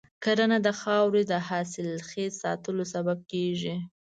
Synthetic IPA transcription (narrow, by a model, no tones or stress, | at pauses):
kaɾanad̪əxɑwɾed̪əhɑsɪlxesɑ̰t̪əlosabab̚keʒi